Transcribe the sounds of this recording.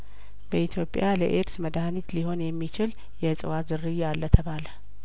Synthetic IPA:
bəit̪ʰjo̞pʼjalə̰ʔeɾsməd̪ahnit̪liho̞njɛmːit͡ʃɪl | jɛsʼɨwazɨrijalːət̪ʰəβalə

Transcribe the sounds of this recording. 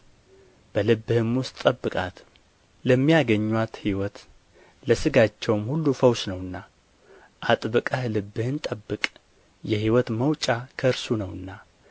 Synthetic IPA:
b̥əlɨbːɨhɨmʊst̪ʼːəbːɨkʼat̪ | ləmːijaɡəɲːwat̪hiwɔt̪ | ləsɨɡat͡ʃːɛwmhulːufəwsnəwɨnːa | ʔat̪ʼbɨkʼahlɨbːɨhɨnt̪ʼəbːɨkʼ | jɛhiwɔt̪məwt͡ʃʼakʰəɨɾsunəwɨnːa

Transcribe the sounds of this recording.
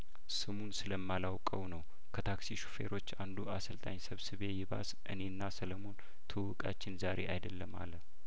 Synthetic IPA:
sɨmunsɨləmːalawkʼəwnəw | kʰət̪ʰaksiʃu̥fe̞̰ɾo̞t͡ʃːand̪uasəlt̪ʼaɲsəβsɨβe̞jɪβa̰sʔɨ̰ne̞ɨnːasələmo̞n | t̪ʰɨwɨkʼa̰t͡ʃːɪnzaɾe̞ʔajd̪əlːəma̰lːə

